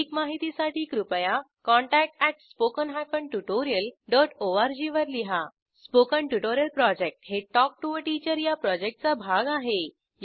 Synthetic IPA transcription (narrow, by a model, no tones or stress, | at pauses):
ikmaɦit̪isaʈiːkɾupja | kɔ̃ɳʈæk̚ʈæʈspokənɦajfəɳʈuʈoɾijəlɖɔʈoaɾd͡ʑiʋəɾliɦa | spokəɳʈuʈoɾijəlpɾɔd͡ʑek̚ʈɦeʈɔk̚ʈuəʈit͡ɕəɾjapɾɔd͡ʑek̚ʈ̚t͡sabʱaɡaɦe | j